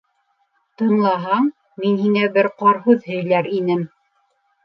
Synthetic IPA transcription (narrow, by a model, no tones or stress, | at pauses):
t̪ɤ̆ɴlˠɑɦɑɴ | minhiŋæbɘɾqɑɾɦʉðhɵ̆jlæɾinɘm